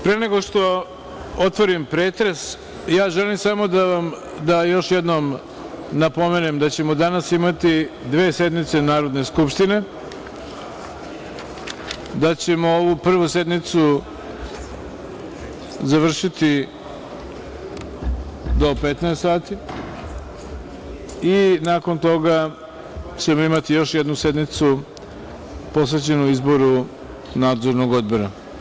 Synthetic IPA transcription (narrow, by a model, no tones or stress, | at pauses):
pɾeneɡo̞ʂt̪o̞ | ot̪ʋo̞ɾimpɾeːt̪ɾes | jaːʒelimsamo̞d̪aam | d̪ajo̞ʃjed̪nom | napo̞menemd̪at͡ɕe̞mod̪anasimat̪id̪ʋe̞ːse̞d̪nit̪se̞naːɾo̞d̪ne̞skupʃt̪ine̞ | d̪at͡ɕe̞mooʋupr̩ʋuse̞d̪nit̪su | zaʋr̩ʃit̪i | d̪o̞pet̪naest̪saːt̪i | inaːko̞nt̪o̞ɡa | t͡ɕe̞mo̞imat̪ijo̞ʃje̞d̪nuse̞d̪nit̪su | po̞s̬ʋe̞t͡ɕe̞nuizbo̞ɾu | naːd̪zo̞ɾno̞ɡo̞d̪̚bo̞ɾa